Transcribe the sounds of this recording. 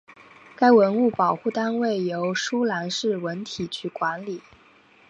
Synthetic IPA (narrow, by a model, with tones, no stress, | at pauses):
ka˥ɪwə˧˥nu˥˩pɑ˨˩ʊxu˥˩t̪a˥nwe˥˩ɪjo˧˥ʊʂu˥la˧˥nʂɻ̩˥˩wə˧˥nt̪ʰi˨˩t͡ɕʰy˥˩kwa˧˥nli˨˩˦